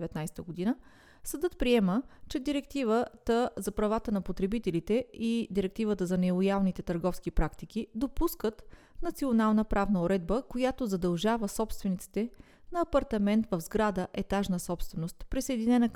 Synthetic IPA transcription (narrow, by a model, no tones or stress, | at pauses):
vɛt̪najst̪əɡod̪inə | sɐd̪ɤt̪pɾiɛmət͡ʃɛd̪iɾɛk̚t̪ivət̪əzɐpɾɐvat̪ənɐpot̪ɾɛbit̪ɛlit̪ɛid̪iɾɛk̚t̪ivət̪əzɐnɛlˠojalˠnit̪ɛt̪əɾɡɔfskipɾakt̪ikid̪opuskət̪ | nɐt̪sionalˠnəpɾavnəoɾɛd̪̚bəkojat̪ozɐd̪ɐlˠʒavəsɔpst̪vɛnit̪si̥t̪ɛ | nɐːpɐɾt̪ɐmɛnt̪vəvzɡɾad̪əʔɛt̪aʒnəsɔpst̪vɛnost̪pɾisɐjd̪inɛnək